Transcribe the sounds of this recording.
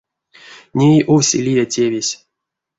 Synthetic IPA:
nʲejʔowsʲḭlʲijatʲevʲesʲ

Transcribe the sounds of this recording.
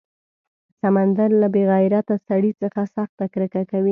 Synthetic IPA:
samand̪aɾlabeɣɑɪɾat̪asaɽit͡səxasaxt̪akɾəkakawi

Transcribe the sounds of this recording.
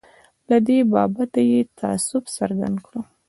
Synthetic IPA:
lad̪ebɑbat̪ajet̪ʰaa̰sʊfsaɾɡa̰nd̪kɽo

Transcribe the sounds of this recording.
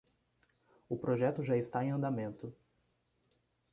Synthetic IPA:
ʊpɾoʒɛt̪ʊʒaɪst̪aẽɐ̃nd̪amẽnt̪ʊ

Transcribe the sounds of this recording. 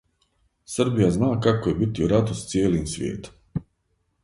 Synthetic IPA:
saɾbijaznaːkakːɔjbit̪juɾat̪ust̪sʲiɛlinʲsvʲḭɛt̪

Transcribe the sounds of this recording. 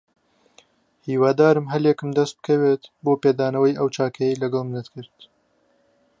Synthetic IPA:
hiːwɑːd̪aːɾɨmɦɐljɛkɨmd̪ɐst̪̚bɨ̥kʰɐweːt̪boːpeːd̪aːnɐwɐjʔɐwt͡ʃaːkʰɐjejlɐɡɐlˠmnɨt̪kʰɨɾt̪

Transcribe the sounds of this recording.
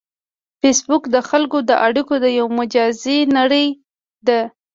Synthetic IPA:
fesbʊkd̪əxalkod̪əʔaɽikod̪əjawmʊd͡ʒɑzenaɽəj | d̪ə

